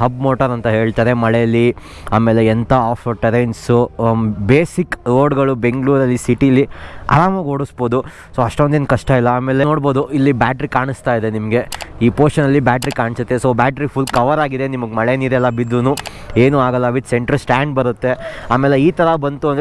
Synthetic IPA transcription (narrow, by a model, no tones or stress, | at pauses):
ɦɐbmoːʈɐɾɐnt̪ɐɦe̞ːɭt̪aːɾe̞mɐɭejɐlːi | aːme̞ːleːnt̪ʰaaːpʰɐɾʈɐɾɐjnsubeːsikɾoːɖɡɐɭube̞ŋɡɭuːɾɐlːisiʈiɐlːiɐ̰ɾaːmɐʋɐaːɡoːɽusbo̞ːd̪u | soːɐʂʈond̪eːnkɐʂʈɐilːɐaːmeːleno̞ːɽbo̞ːd̪uilːibaːʈɾikaːɳist̪aːid̪e̞nimɐɡe̞iːpoːɾʃɐnɐlːibaːʈɐɾikaːɳisut̪ːesoːbaːʈɾipʰulkɐʋɐɾaːɡid̪enimɐɡmɐɭeniɾɛlːɐbid̪ːunu | eːnuaːɡɐlːɐʋit̪seɳʈɾɐlsʈaːɳɖ̚bɐɾut̪ːe̞aːmeːleiːt̪ɐɾɐbɐnt̪uɐnd̪